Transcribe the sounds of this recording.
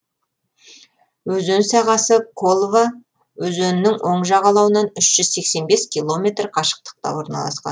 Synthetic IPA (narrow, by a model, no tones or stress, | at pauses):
wɵzɵnsɑʁɑsəkʰolˠva | wɵzɵnɪnɪŋwʔo̞ɴʒɑʁɑlˠɑwənɑnʏʃʒ̥ʏzse̞kse̞nbe̞skʲʰijlˠo̞mʲe̞t̪rqʰɑʃə̥q̚t̪ə̥q̚t̪ɑ̰wo̞ɾnɑ̰lˠɑ̰sqɑ̰n